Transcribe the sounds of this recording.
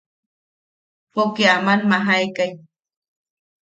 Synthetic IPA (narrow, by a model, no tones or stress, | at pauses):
pokiamanmaɦajkaj